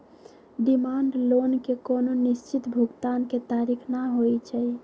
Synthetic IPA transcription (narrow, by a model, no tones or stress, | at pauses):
ɖimaɳɖlonkekononist͡ʃit̪bʱuɡt̪anket̪aɾikʰnaɦojt͡ʃʰəj